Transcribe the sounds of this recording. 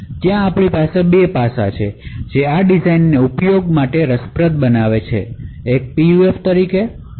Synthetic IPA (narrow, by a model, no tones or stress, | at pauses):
t̪jãːpɳ̃ipasebepasa̰t͡ʃʰed͡ʒeaɖid͡ʒainːeupjoɡmaʈeɾəspɾət̪̚bənaʋet͡ʃʰḛː | k̚pijueft̪əɾike